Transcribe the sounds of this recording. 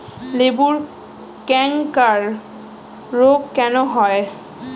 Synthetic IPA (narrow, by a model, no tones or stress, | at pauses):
lebuɾ | kɛŋkaɾː | oɡkːɛnoɦɔe